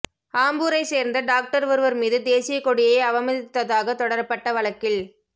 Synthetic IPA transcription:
aːmbuːɾɐɪseːɾnd̪ɐɖaːk̚ʈɐɾʋɯɾɯʋɐɾmiːðɯd̪eːsɪjɐkɔɽɪjɐɪɐʋɐmɐðɪt̪ːɐðaːɣɐt̪ɔɽɐɾɐpːɐʈːɐʋɐɭɐkːɪɭ

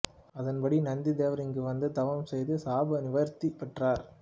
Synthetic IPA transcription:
ɐðɐnbɐɽinɐnd̪id̪eːʋɐɾɪŋɡɯʋɐnd̪ɯt̪ɐʋɐmsɛjðɯsaːbɐnɪʋɐɾt̪ːipːɛʈraːɾ

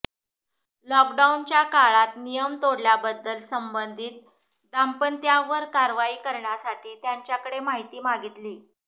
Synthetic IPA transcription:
lɔk̚ɖaunt͡ɕjakaɭat̪nijəmt̪oɽljabəd̪ːəlsəmbənd̪ʱiːt̪̚ | d̪ampənt̪jaʋəɾkaɾʋaiːkəɾɳjasaʈʰiːt̪jaɲt͡ɕjakəɽemaɦit̪iːmaɡit̪liː

